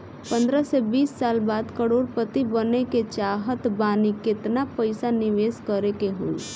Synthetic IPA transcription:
pə̃nd̪ɾəsebiːsːaːlbaːd̪kəɽoːɾpət̪ibəneket͡ʃaːɦət̪baːnikɪt̪napəɪsanɪʋeːskəɾekeɦoːi

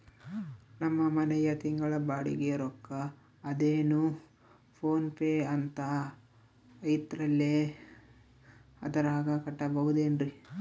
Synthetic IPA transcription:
nɐmːɐmɐnɛjɐt̪iŋɡɐɭɐbaːɽḭɡeɾɔkːɐː | d̪eːnu | pʰoːnpeːɐnt̪ɐ | ɐjit̪ɾɐlːe | ɐd̪ɐɾaːɡɐkɐʈːɐbɐɦud̪eːnɾi

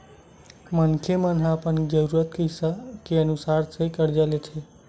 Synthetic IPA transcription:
mənkʰemənɦaːpənid͡ʒəɾuɾət̪kəsakeənusaɾt͡ʃʰekəɾd͡ʒalet͡ʃʰe

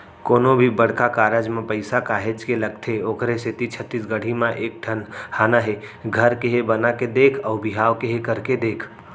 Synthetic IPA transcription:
koːnobʱibəɽ̤kakaːɾəd͡ʒmẽpəɪsakaːɦet͡ʃkeləɡ̚t̪ʰeoːkɾeset̪it͡ʃʰət̪ːisɡəɽ̤ʱimãʔeːk̚ʈʰənhaːnaɦeɡʱəɾkeɦebənaked̪eːkʰɔːbɪɦaːʋkeɦekəɾked̪eːkʰ

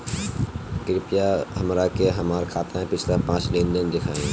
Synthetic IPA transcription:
kɪɾɪpijaɦɐmɾakeɦɐmaːɾkʰaːt̪ãɦɛ̃pɪt͡ʃʰlapãːt͡ʃlẽːnd̪ənd̪ɪkʰaːẽɦ

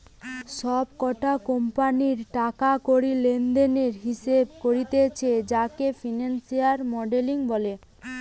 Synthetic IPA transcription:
ʃɔb̚kɔʈakompaniɾʈakakoɾilend̪eneɾɦiʃebkoɾit̪et͡ɕʰed͡ʑakefinansiaɾmɔɖeliŋbɔle

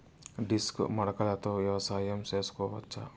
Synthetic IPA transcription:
ɖiskmɐɽɐkɐlɐt̪oːʋjɐʋɐsaːjɐmt͡ʃeːsu̥kɔːʋɐtːt͡ʃːɐ̰

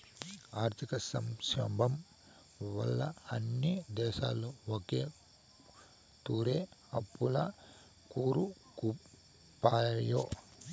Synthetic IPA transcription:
aːɾt̪ʰikɐsɐmʃɐbʱɐm | ʋɐ̰lːɐ̰ɐnːid̪ɛːʃaːlːoːoke̞ː | t̪uːɾeːɐpːulɐ | kuːɾu | ku | pːaːɐjoː

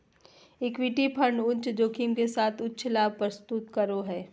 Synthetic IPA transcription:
ɪkwiʈipʰɐ̃ɳɖʊ̃nt͡ʃd͡ʒoːkʰiːmkesaːt̪ʰʊtːʃʰlaːb̚ʱpɾəst̪ʊt̪kɐɾoɦɛː

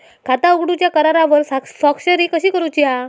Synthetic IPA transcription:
kat̪auɡɽut͡ɕjakəɾaɾaʋəɾsasɔkɕəɾiːkəɕiːkəɾut͡ɕia

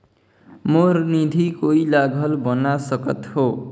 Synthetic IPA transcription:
mornid̪ʱikoilaɡʱʌlbʌnasʌkʌt̪ho

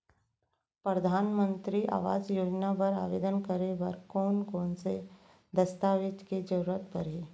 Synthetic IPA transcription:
pɾəd̪ʱaːnmə̃nt̪ɾiʔa̰ːʋa̰ːd͡ʒjoːd͡ʒnapɐɾa̰ːʋḛːd̪ənkəɾeʋɐɾkɔːnkɔːnse | d̪ɐst̪aːʋɪt̪ked͡ʒɐɾuɾət̪̚pɐɾeː

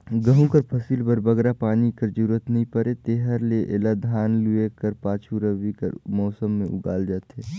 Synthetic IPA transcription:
ɡəɦũkɐɾpʰɐsiːlbɐɾbɐɡɾapaːnikɐɾd͡ʒuːɾət̪nɐɦĩpɐɾet̪eːɦəɾleʔḛːlad̪ʱaːnluekɐɾpaːt͡ʃʰuɾəʋikɐ̰ɾmɔːsəmːẽʔʊ̰ɡa̰ːld͡ʒaːt̪eː

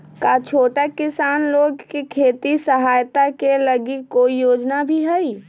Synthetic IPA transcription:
kat͡ʃʰoːʈakɪsaːnloːɡkekʰeːt̪isəɦaːjt̪akeləɡikoːijoːd͡ʒnabʱiɦɛi

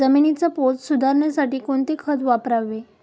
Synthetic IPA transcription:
əminit͡sapot͡ssud̪ʱaɾɳjasaʈiːkoɳt̪ekʰət̪ʋapɾaʋːe

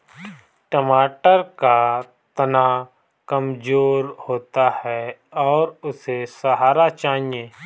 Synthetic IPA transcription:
ʈəmaːʈəɾka | t̪ɐna | kɐmd͡ʒoːɾhoːt̪ahɛɔːɾʊsesɐɦaːɾat͡ʃaːnijẽː

